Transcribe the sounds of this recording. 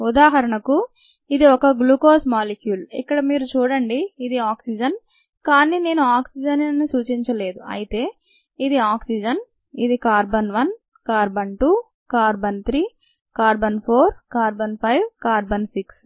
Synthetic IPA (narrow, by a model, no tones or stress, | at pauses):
ud̪aːɦɐɾɐɳɐku | id̪iɔkɐɡlukoːsmaːlikjuːlḭkːɐɽɐmiːɾut͡ʃuːɽɐɳɖiːd̪iaːksid͡ʒɐn | kaːnine̞ːnuaːksid͡ʒɐnnːisuːt͡ʃiɲt͡ʃɐle̞ːd̪uɐ̰jit̪e̞ː | id̪iaːksid͡ʒɐn | id̪ikaːɾbɐnʋɐn | kaːɾbɐnʈuː | kaːɾbɐnt̪ʰɾiː | kaːɾbɐnpʰoːɾkaːɾbɐnpʰɐjʋkaːɾbɐnsiks